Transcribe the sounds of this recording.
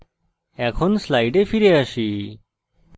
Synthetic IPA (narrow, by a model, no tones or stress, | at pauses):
ɛkʰɔnslajɖefiɾeaʃi